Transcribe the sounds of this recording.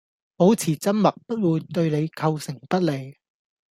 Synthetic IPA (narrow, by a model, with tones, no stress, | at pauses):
po˨˥wt͡sʰiː˨˩t͡sɐ˥nmɐ˨k̚pɐ˥t̚wuː˨˧jt̪ɵ˧ɥne˨˧jkʰɐ˧wsɪ˨˩ŋpɐ˥t̚le˨˧j